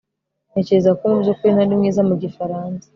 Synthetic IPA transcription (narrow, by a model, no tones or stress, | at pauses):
ne̞ːce̞ɾezakoɾobjokuɾinaɾimŋiːzamuɟifaɾaːnsḁ